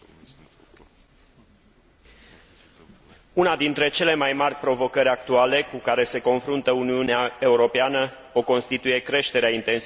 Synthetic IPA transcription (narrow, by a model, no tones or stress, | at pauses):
unad̪int̪ɾe̞t͡ʃe̞le̞majmarʲpɾo̞vo̞kəɾʲak̚t̪uale̞kukaɾe̞se̞ko̞nfɾunt̪əuniuneae̞uɾo̞peanə | o̞ko̞nst̪it̪uje̞kɾe̞ʃt̪e̞ɾeaint̪e̞ns